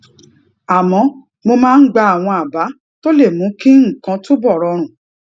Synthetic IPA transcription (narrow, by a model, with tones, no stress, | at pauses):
a˨mɔ̃˨˧˦ | mo˧mãː˦˧n̩˦ɡ͡ba˧a˨w̃ɔ̃˧a˨ba˨˦ | to˦le˦˨mũ˨˦kĩ˦ŋ̩˦˨kã˨˧˦to˦bɔ˦˨ɾɔ˧ɾ̃ũ˨